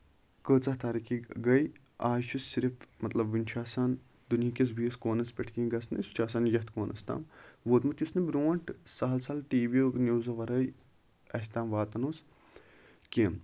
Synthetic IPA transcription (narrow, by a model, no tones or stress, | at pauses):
kəːt͡sɐht̪aːɾikiɡɐj | aːʃʰissiɾfmɐt̪lɐbʋinʲt͡ʃʰaːsaːn | d̪unjikʲes̬bijiskoːnɐspʲeʈʰkʲĩːɡɐsnɨ̰st͡ʃʰaːs̬aːnjɐht̪koːnʔɐ̰st̪a̰ːmʋoːt̪mɐt̪jusnɨbʲɾoːɳʈsɐɦɐlsɐlʈiːʋiəknʲjuːzɐʋɐɾɐj | ɐsʲt̪aːmʋaːt̪ɐnuːs | kʲem